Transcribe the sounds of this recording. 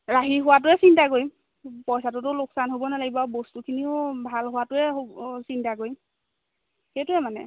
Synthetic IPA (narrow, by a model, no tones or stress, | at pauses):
ɹaɦiɦʊwat̬ʊɛsintakoj | pɔjsatʊtʊloksanɦobɔnalaɡibɔabostukʰiniʊbʱalɦʊwatʊɛɦosintakoj | xejtʊɛmanɛ̰